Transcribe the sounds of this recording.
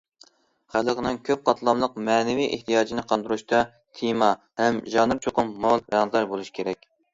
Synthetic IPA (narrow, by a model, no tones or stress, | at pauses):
χælˠəqənɨŋkʲʰøp̚qʰɑt̪ʰlˠɑmlˠəq̚mɛːnɪviʔḛht̪ʰijɑːd͡ʒinɪqʰɑnd̪uɾuʃt̪ɑ | t̪ʰimɑ | hɛmʒɑnɨɾt͡ʃʰoqʊmːolˠɾjɑnd̪ɑɾbolˠuʃi̥kʲʰeɾɛkʲ